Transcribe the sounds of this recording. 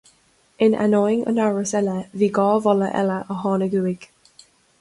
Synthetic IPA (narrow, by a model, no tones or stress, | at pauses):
ɪna̰nɔjɪŋə̰naɹəsɛləviːɡɔːvɔləʔɛ̰ləʔəɦɔːnəɡuːɪɡ̥